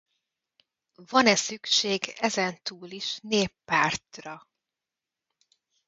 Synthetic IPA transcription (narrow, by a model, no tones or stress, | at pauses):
vɒnɛsykʃeːɡɛzɛnt̪uːliʃneːpːaːrt̪rɒ